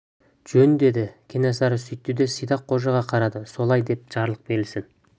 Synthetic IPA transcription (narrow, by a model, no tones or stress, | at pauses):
ʒ̥ɵnd̪e̞d̪ɪkʲʰenɑsɑɾəsʏjt̪ːed̪e̞səjd̪ɑqʰːo̞ʒɑʁɑqʰɑɾɑd̪əso̞lˠɑjd̪e̞p̚ʒ̥ɑɾlˠəq̚be̞ɾlsɪn